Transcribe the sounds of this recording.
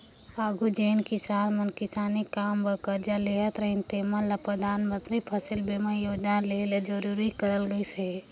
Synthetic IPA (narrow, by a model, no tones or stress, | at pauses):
aːɡʱud͡ʒeːnkɪsaːnmənkɪsaːnikːaːmbəkəɾd͡ʒaleɦət̪ɾəɦint̪emənləpɾəd̪ʱaːnmə̃nt̪ɾipʰəsilbeməjoːd͡ʒnaleled͡ʒəɾuɾikəɾəlɡəise